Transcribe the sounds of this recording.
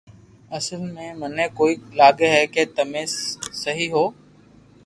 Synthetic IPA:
əsəlmẽːməneːkoːiːlaːɠeɦɛːkeːt̪əmẽːsəɦiːɦoː

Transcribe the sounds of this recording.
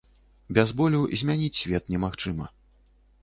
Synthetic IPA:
bʲɛzbɔlʲuzʲmʲanʲit͡sʲsʲvʲɛt̪nʲɛmaxt͡ʂɨmɐ̰

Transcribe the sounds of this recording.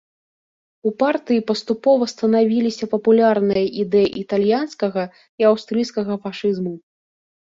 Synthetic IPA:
upart̪ɨjipɐst̪upɔvɐst̪ɐnavʲilʲisʲɐpɐpulʲarnɨjɐʔid̪ɛjiʔit̪alʲjanskɐɣɐ | iawst̪ɾɨjskɐɣɐfaʂɨzmu

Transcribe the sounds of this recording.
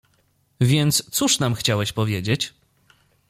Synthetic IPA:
vʲjɛnt̪st̪suʂnamxt͡ɕawɛɕpɔvʲjed͡ʑet͡ɕ

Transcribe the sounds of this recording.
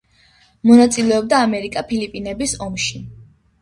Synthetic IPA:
mɔnat̪sʼilɛɔb̚d̪aːmɛɾikʼapʰilipʼinɛbisɔmʃi

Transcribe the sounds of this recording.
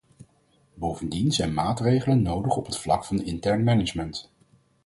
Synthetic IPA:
bowvəndinzɛjnmaːtrejχələnːowdəχɔpɦətflɑ̰kfɑnɪntɛɹnmɛnɪd͡ʒmənt

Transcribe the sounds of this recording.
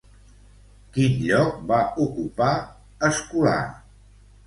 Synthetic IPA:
kinʎɔk̚baukupa | əskula̰

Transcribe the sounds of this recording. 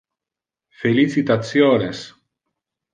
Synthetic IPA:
feliθit̪at͡sjones

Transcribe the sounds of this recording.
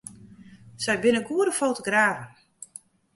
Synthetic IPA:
sɛjbɪnəɡuədəfoːtoɡraːvən

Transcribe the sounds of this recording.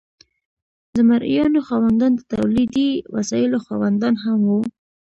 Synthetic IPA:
d̪əmaɾʔjɑnoxɑwand̪ɑnd̪ət̪awlid̪iwa̰sɑjɪloxwɑwand̪ɑnɦamwu

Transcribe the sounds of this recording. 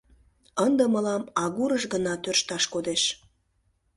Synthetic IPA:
ənd̪əməlɑmɑɣuɾəʃɣənɑt̪ørʃt̪ɑʃkod̪eʃ

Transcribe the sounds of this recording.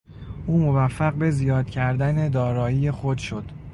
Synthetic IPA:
ʔuːmo̞væfːæɢbe̞zijɒːd̪̥cʰæɾd̪æne̞d̪ɒːɾɒːjiːje̞xod̪ʃo̞d̪̥

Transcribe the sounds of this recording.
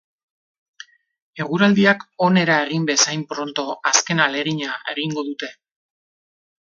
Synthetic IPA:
e̞ɣ̞uɾald̪iako̞ne̞ɾae̞ɣimbe̞sajmpɾo̞nt̪o̞aske̞nale̞ɾiɲae̞ɣiŋɡo̞ðut̪e̞

